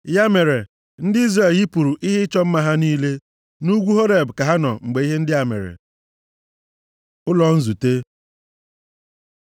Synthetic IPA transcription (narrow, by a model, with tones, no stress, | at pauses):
ja˦me˨ɾe˨ | n̩˦dɪ˦i˦zɾe˨ji˦pu˨ɾu˨ʔi˦ɦɪ˦t͡ʃɔ˦m̩˦ma˦ɦa˦niː˦le˦ | nu˦ɡʷu˦ɦo˦ɾe˨bka˨ɦa˦nɔ˨ŋ͡m̩˨ɡ͡be˨i˦ɦe˦n̩˦dɪ˦a˨mḛ˨ɾḛ˨ | ʊ˦lɔ˨n̩˦zu˨te˦